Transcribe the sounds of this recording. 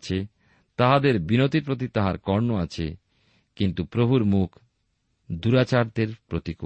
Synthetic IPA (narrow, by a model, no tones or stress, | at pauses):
t͡ɕʰe | t̪aɦad̪eɾbinot̪iɾpɾot̪̬it̪aɦaɾkɔɾnoat͡ɕʰḛ | kint̪upɾobʱuɾmukʰ | d̪uɾat͡ɕaɾd̪eɾpɾot̪iko